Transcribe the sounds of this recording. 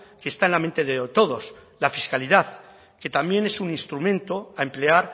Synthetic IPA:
keːst̪aenlament̪e̞ðet̪o̞ð̞o̞slafiskaliðaθ | ke̞t̪ambje̞ne̞suninst̪ɾumẽ̞nt̪o̞ae̞mple̞aɾ

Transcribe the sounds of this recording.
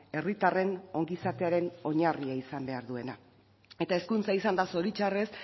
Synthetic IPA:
e̞rit̪are̞no̞ŋɡisat̪e̞aɾe̞no̞ɲariaisambe̞aɾðue̞na | e̞t̪ae̞skunt͡saisand̪aso̞ɾit͡ʃare̞s

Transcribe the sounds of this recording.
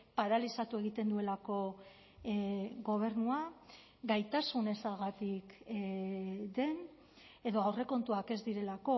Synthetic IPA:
paɾalisat̪ue̞ɣ̞it̪e̞nd̪ue̞lako̞ | ɡo̞β̞e̞ɾnua | ɡajt̪asune̞salɣat̪ik | d̪e̞n | e̞ðo̞awre̞ko̞nt̪uake̞zd̪iɾe̞lako̞

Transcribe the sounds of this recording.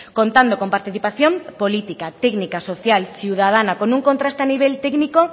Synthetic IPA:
kont̪and̪oko̞mpaɾt̪iθipaθjompolit̪ikat̪ɛɡnikasoθjalsiwð̞að̞anakonuŋkont̪ɾast̪eaniβ̞elt̪eɡniko

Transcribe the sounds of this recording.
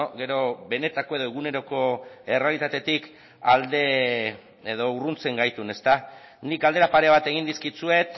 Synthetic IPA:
ɡe̞ɾo̞βe̞ne̞t̪ako̞e̞ðoeɣ̞une̞ɾo̞ko̞e̞re̞alit̪at̪e̞t̪ik | ald̪e | eðo̞urunt͡se̞ŋɡajt̪une̞st̪a | nikald̪eɾapaɾe̞β̞at̪e̞ɣ̞ind̪iskit͡sue̞t̪

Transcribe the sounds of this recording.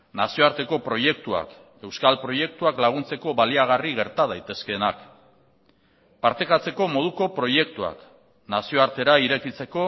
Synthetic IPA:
nasio̞aɾt̪e̞ko̞pɾo̞je̞k̚t̪ua̰k | e̞wskalpɾo̞je̞k̚t̪uaklaɣ̞unt͡se̞ko̞βaliaɣ̞ariɣ̞e̞ɾt̪að̞ajt̪e̞ske̞ːnak | paɾt̪ekat͡se̞ko̞mo̞ð̞uko̞pɾo̞je̞k̚t̪ua̰k | nasio̞aɾt̪e̞ɾaiɾe̞kit͡se̞ko̞

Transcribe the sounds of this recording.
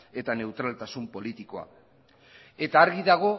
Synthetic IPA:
e̞t̪ane̞wt̪ɾalt̪asumpo̞lit̪iko̞a̰ | e̞t̪aːɾɣiðaɣ̞o̞

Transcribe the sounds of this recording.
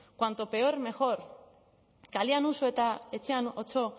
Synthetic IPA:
kwant̪o̞pe̞oɾme̞xo̞ɾ | kalianusoet̪ae̞t͡se̞ano̞t͡so̞

